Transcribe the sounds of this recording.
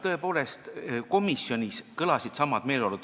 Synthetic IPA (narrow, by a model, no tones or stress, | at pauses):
t̪ɤ̞e̞po̞ːle̞st̪ko̞misjo̞nʲiskɤlɑsid̪̥sɑmːɑd̪̥me̞ːleolud̪̥